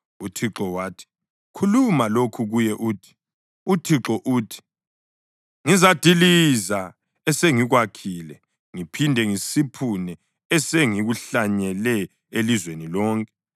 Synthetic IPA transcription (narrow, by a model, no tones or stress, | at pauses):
utʰiǁɔwaːtʰi̥ | kʰulumalokʰuɣujɛʔuːtʰi̥ | utʰiǁɔʔuːtʰi̥ | ŋizad̥ʱiliza | ɛseŋiɣwakʰiːlɛ | ŋipʰindʱɛŋisipʰunɛː | seŋiɣuɬaɲɛlɛ | elizwenilɔːŋkʼɛ̥